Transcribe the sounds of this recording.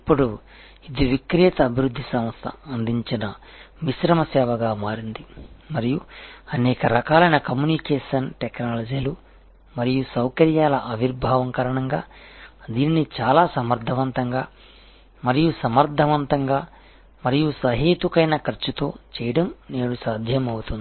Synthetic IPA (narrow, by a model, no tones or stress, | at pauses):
ipːuɽu | id̪iʋikɾiːt̪ɐːbʱiɾud̪ʱːisɐmɐst̪ʰɐ̰ɐnd̪iɲt͡ʃinɐ | ʋisɾɐmɐsɛːʋɐɡaːmaːɾind̪imɐɾijuɐnɛːkɐɾɐkaːlɐjnɐkɐmjuːnikeːʂɐnʈeknaːlɐd͡ʒiːlu | mɐɾijusɐwkɐɾjaːlɐʔɐʋiɾbʱaːʋɐŋkɐɾɐɳɐŋɡaːd̪iːninit͡ʃaːlaːsɐmɐɾd̪ʱɐʋɐnt̪ɐŋɡaː | mɐɾijusɐmɐɾd̪ʱɐʋɐnt̪ɐŋɡaː | mɐɾijusɐɦeːt̪ukɐjnɐkɐɾt͡ʃːut̪o̞̰ːt͡ʃɛːjɐɽɐmne̞ːɽusaːd̪ʱjɐmɐwut̪und̪i